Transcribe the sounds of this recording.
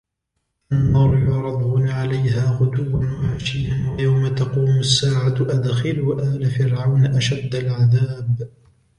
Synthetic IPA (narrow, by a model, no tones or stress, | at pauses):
ʔanːɑɾˤjʊɾˤɑd̪ˤɣʊnʕalajɦaːɣʊd̪ʊwːanwaʕaʃɪːanwajawmat̪ɑquːmʊsːaːʕaʔad̪xɪlwaʔaːlafɪɾʕawnʔaʃad̪ːalʕaðaːb